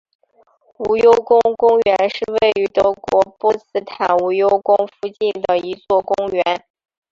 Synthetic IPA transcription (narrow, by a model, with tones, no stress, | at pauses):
u˧˥jo˥ʊkʊ˥ŋkʊ˥ŋɥɛ˧˥nʂɻ̩˥˧we˥˩ɪy˧˥t̪ɤ˧˥kwɔ˧˥pɔ˥˩˧sɹ̩˥t̪ʰa˨˩nu˧˥jo˥ʊkʊ˥ŋfu˥˧t͡ɕi˥˩nd̪ə˩i˧˥t͡swɔ˥˩kʊ˥ŋɥɛ˧˥n